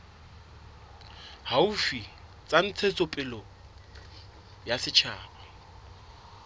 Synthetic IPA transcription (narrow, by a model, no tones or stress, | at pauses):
haufi | t͡sʼan̩t͡sʰet͡sʼʊpʼɪlɔ | jasɪt͡ʃʰaːbʰa